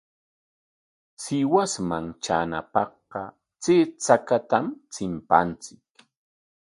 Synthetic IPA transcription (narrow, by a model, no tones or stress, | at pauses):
sɪwasmaŋt͡ʃa̰na̰pɑhqɑ | t͡seːt͡sakat̪amt͡sɪmpa̰nt͡sɪk